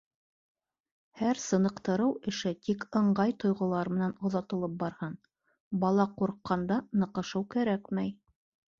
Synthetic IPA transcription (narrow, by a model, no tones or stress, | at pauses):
hæɾsɤ̆nɤ̆qt̪ɤ̆ɾɤwɘ̆ʃɘt̪ikɤ̆ɴɢɑjt̪ŏjʁŏlˠɑɾmɘ̆nænŏðɑt̪ɤ̆lˠɤp̚bɑɾhɤn | bɑlˠɑquɾqːɑnd̪ɑnɤ̆qɤ̆ʃɤwkæɾækmæj